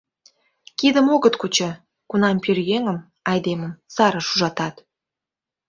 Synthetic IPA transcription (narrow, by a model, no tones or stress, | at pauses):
kid̪əmoɣət̪kut͡ɕə̆ | kunɑmpørjeŋəm | ɑjd̪emə̆msɑɾə̆ʃuʒɑt̪ɑt̪